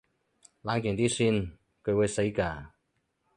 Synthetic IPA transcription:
laː˨˧nkɪ˨˩t̪iː˥syː˥˩n | kʰɵ˨˧ɥwu˨˧jse˨˥jkaː˧˩

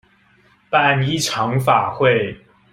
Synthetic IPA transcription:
pa˥˨ni˥ʈ͡ʂʰɑ˧˥ŋfa˨˩xwe˥˩ɪ

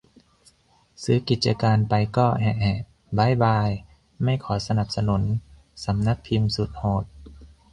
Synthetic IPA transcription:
sɯː˨˦ki˨˩t̪̚t͡ɕa˧kaː˧npa˧jkɔː˥˩ɦɛ˧ʔhɛ˧˩ | baː˧˥˨jbaː˧j | ma˥˩jkʰɔː˩˦sa˧na˨˩p̚sa˧nu˩˦n | sa˨˦mna˧˥k̚pʰi˧msu˨˦t̪̚hoː˨˩t̪̚

